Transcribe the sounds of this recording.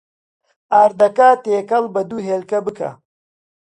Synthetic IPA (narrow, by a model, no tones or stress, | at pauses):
aːɾd̪ɐkaːt̪eːkɐlbɐd̪uːɦeːlkɐbɨkʰɐ̰